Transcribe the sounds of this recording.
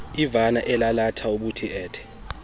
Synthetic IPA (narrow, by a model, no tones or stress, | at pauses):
ivanaʔɛlalatʰauɓutʰiʔɛːtʰɛ̥